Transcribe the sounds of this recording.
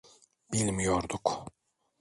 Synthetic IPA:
bilʲmjoɾd̪uk

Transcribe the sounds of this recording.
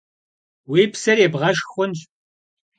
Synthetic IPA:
weːpsɐrjɛbʁɐʃxʷʊnɕ

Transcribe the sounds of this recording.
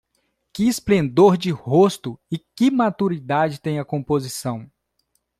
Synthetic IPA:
kɪːsplẽnd̪oɾd͡ʒɪhost̪ʊɪkɪmat̪uɾid̪ad͡ʒɪt̪ẽj̃ɐkõmpozisɐ̃w̃

